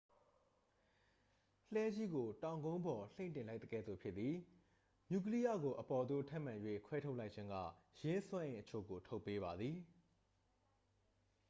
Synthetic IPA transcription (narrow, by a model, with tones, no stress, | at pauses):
l̥ɛ˦d͡ʑi˦ɡo˨tã˨ʊ̃ŋɡõ˦ʊ̃mbɔ˨l̥ẽ˦˨ntɪ̃˨la˦ɪt̪ə˨ɡɛ̰˦˨d̪ðo˨pʰjɪ˦t̪t̪ːi˨ | ɲu˨k̬əli˦ja̰˦˨ɡo˨ʔəpɔ˨d̪o̰˦˨tʰɛ˦ʔmã˨jwḛ˦˨kʰwɛ˦tʰo˦ʊʔla˦ɪʔt͡ɕʰɪ̃˦ŋɡä̰˦˨jɪ̃˦swã˦ʔɪ̃˨ʔət͡ɕʰo̰˦˨ɡo˨tʰo˦ʊpːe˦βa˨d̪ði˨